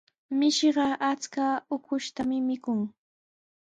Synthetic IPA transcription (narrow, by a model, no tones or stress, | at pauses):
mɪʃɢɑʔat͡skaʊkʊʃt̪amɪmɪkʊŋ